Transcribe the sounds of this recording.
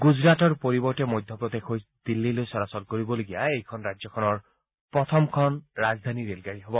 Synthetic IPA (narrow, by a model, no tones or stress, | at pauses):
ɡuzɹatɔɹpoɹibɔɹtɛmojd̪ʱjɔpɹɔt̪ekʰojd̪̥ilːilojsɔɹasɔlkoɹibɔloɡijaejkʰɔnɹazjɔkʰɔnɔɹ | pɹɔt̪ʰɔmkʰɔnɹazd̪ʱaniɹelɡaɹiɦɔbɔ